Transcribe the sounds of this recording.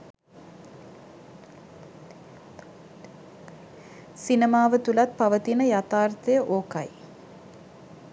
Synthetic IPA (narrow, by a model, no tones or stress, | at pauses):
sinemaːʋət̪ulɐt̪̚pɐʋət̪inəjat̪aːrt̪ɐjəʔoːkɐj